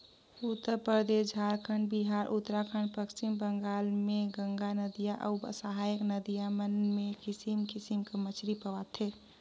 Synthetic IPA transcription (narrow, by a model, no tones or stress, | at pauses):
ut̪ːəɾpəɾd̪esd͡ʒʱaɾkʰəɳɖ̚biɦaɾʔut̪ːɾakʰəɳɖpəkt͡ʃimbəŋɡalmeɡə̃ŋɡanəd̪ijaʔə̰bə̰səɦajəknəd̪ijamənmekɪsimkɪsimkəmət͡ʃʰɾipəʋat̪ʰe